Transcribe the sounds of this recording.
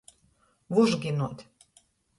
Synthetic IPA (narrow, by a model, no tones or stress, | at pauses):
βuʒɡinot̪